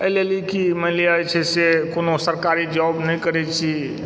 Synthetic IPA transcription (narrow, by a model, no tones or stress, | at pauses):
əjlelikiməɦliajt͡ʃʰɛsekonosəɾkaɾid͡ʒɔbnɛjkəɾɛt͡ʃʰi